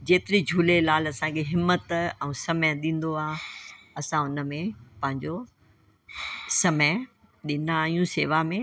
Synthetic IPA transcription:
d͡ʑeːt̪ɪɾid͡ʑʱuːlelaːlɐsãkʰeɦɪmːət̪ɛ̃ːsɐmjəɗĩːn̆d̪oaːɦ | ɐsãʊnə̆mẽpɐ̃ɦɪ̃ɲd͡ʑo | sɐməj | ɗɪnaːɦijũseːʋamẽ

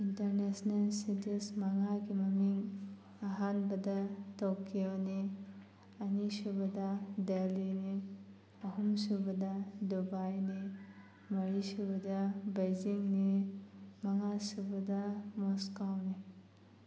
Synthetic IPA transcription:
intɐɾnesnɐlsidɐsmɐŋaɡimɐmiŋ | ɐɦanbɐdɐtokːijoni | ɐnisubɐd̪adelini | ɐɦumsubɐd̪ɐdubajni | mɐɾisubɐd̪ɐbejziŋni | mɐŋasubɐdɐmɔskawni

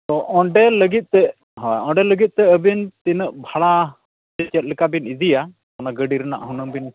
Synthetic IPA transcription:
t̪ɔʔɔɳɖɛləɡit̪̚ˀt̪ɛ | ɦɔjɔɳɖɛləɡit̪̚ˀt̪ɛəbint̪inəʔbʱaɽa | d͡ʒɛt͡ʃɛt̪̚likabinid̪ija | kɔnaɡəɖiɾɛna̰ʔɦunəŋbin

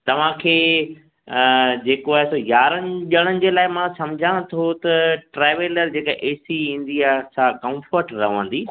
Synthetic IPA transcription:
t̪ɐʋ̤ãkʰeː | d͡ʑeːkoaːɦesojaːɾənɪʄɐɽ̃ənɪ̆d͡ʑeːlaːɪmãsɐmd͡ʑʱãt̪ʰot̪ɐʈɾeːʋeːləɾd͡ʑeːkaʔeːsiĩːn̆d̪iaːsaːkɐ̃mfəɾʈɾɐ̰ɦʋə̃ːnd̪iː

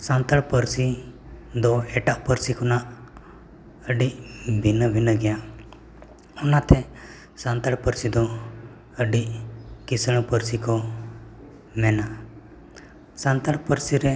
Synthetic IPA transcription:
sãnt̪əɭpəɾsi | d̪ɔɛʈaʔpəɾsikɔnaʔ | əɖibʱinəbʱinəɡɛja | ɔnat̪ʰɛ | sãnt̪əɽpəɾsid̪ɔ | əɖikisəɽ̃pəɾsikɔ | mɛna | sãnt̪əɭpəɾsiɾɛ

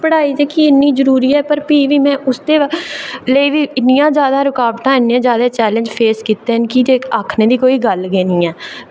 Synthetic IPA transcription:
pəɽaːiːt̪eːkiɪnːiːzəɾuːɾiːɛːpəɾpiːʋiːmɛ̃ːʔʊsd̪eːləiːʋiːɪnɪjãːd͡ʒjaːd̪ãːɾʊkaːʋʈ̪ãːɪnijãːd͡ʒjaːd̪aːt͡ʃɛːlə̃nɲd͡ʒpʰeːskiːt̪ːeːɦənkieːaːkʰneːd̪iːkoːiːɡəlɡeːnĩːɛː

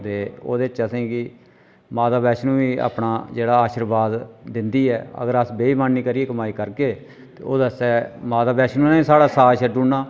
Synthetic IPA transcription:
d̪eo̰ːd̪eːt͡ʃəsẽːkɪ | maːt̪aːbɛːʃnũːʋiːa̰ːpɳaːd͡ʒeːɽaːaːʃəɾbaːd̪ːɪnd̪iːɛːə̰ɡəɾəsbeːiːmanːiːkəɾieːkəmaːiːkəɾkeː | t̪ḛːoːd̪əsɛːmaːt̪aːbɛːʃnũːneːiːsaːɽaːsaːʃəɖuːɳːaː

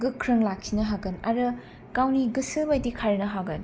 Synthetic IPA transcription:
ɡɯkʰɾɯŋlakʰːinɐɦaɡɯna̰ɾɯ | kawniɡɯsɯbajdikʰajɾnɐɦaɡɯn

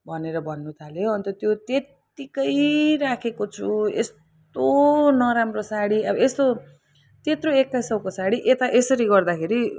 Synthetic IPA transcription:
bʱʌneɾʌbʱʌnːut̪ʰaljoʌnt̪ʌt̪jot̪et̪ | ikʌjɾakʰekot͡sʰuḛs | tt̪onʌɾamrosaɽiʌbʌest̪o | t̪et̪roekːasʌwkosaɽiʔet̪aʔesʌɾiɡʌrd̪akʰeɾi

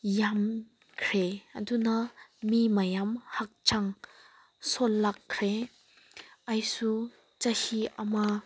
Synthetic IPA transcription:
jam | kʰɾeɐ̰dunɐmimajamhak̚t͡ʃʰaŋ | solːakʰːɾe | ajsu | t͡ʃɐhiɐma

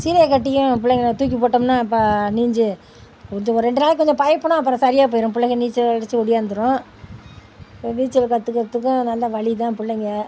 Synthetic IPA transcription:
siːɾɐjɐkɐʈːɪjʊ̃pʊɭːɐŋɡɐat̪uːk̬ːipoːʈːɐmnaːɪp̬ːaːniːɲd͡ʒɯ | kɔɲd͡ʒɔ̃ɔɾɾɛɳɖɯnaːlkːɔɲd͡ʒɔ̃pɐjɐpːɯɳʊ̃ɐp̬ːɯɾɔ̃sɐɾɪjaːp̬oːjɪɾʊ̃pʊɭɐɣɐniːt͡ʃːɐɽt͡ʃːɯɔɽɪjaːnd̪ɯɾʊ̃ | niːt͡ʃːɐlkɐt̪ːɯkːɐt̪ːɯkːʊ̃nɐlːɐʋɐɭɪt̪ãːpʊɭːɐŋɡɐ

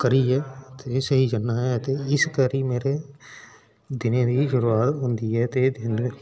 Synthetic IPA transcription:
kəɾiːɛːt̪esəɦiːd͡ʒənːaːɦɛːt̪eːɪskəɾiːmeːɾeː | d̪ɪnẽːd̪iːʃʊɾuːaːt̪ɦʊ̃nd̪iːɛːt̪eːd̪ɪn

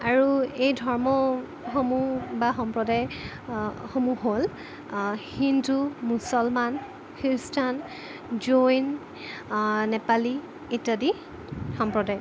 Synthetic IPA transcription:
aɹuejdʱɔɹmɔ | xomubaxɔmpɹɔdaj | xomuɦol | hindumusɔlman | kʰiɹstʰan | d͡ʒojn | nɛpali | itadi | xɔmpɹɔdaj

